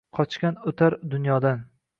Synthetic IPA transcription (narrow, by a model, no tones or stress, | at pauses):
qʰɒt͡ʃkʲanʊt̪ʰaɾd̪ʊnjɒd̪an